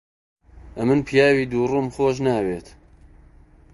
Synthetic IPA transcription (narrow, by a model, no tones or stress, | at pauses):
ʔɐmɨnpʰjaːwiːd̪uːruːmxoːʃ̬naːweːt̪